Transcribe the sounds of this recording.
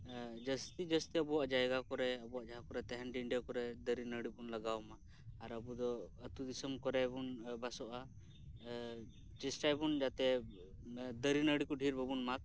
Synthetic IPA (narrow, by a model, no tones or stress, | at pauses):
d͡ʒəst̪id͡ʒəst̪iəbɔwaʔd͡ʒajɡakɔɾɛəbɔwaʔd͡ʒaɦakɔɾɛt̪ɛɦɛnɖiɳɖɛkɔɾɛd̪əɾinəɽibunlaɡawmaː | ɾəbud̪ɔət̪ud̪isəmkɔɾɛbunbasɔʔa | t͡ʃɛsʈajbund͡ʒat̪ɛ | d̪əɾinəɽikɔɖʱiɾbəbunmak̚